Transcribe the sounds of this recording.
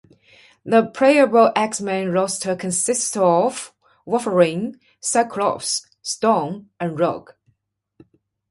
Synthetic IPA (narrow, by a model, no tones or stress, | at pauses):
ðəpʰɹ̥eɪəɹoʔæksmæ̃nɹɔstʰəkʰə̃nsɪstɔv | wɔfəɹɪ̃ŋ | sakʰlɔ̰fs | stɔmʔə̃nɹɔ̰ɡ̥